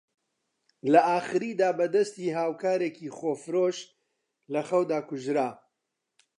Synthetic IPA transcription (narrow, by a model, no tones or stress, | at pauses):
lɐʔaːχɨɾiːd̪aːbɐd̪ɐst̪iːɦaːwkʰaːɾeːkiːχoːfɨɾoːʃ | lɐxɐwd̪aːkʊʒɾaː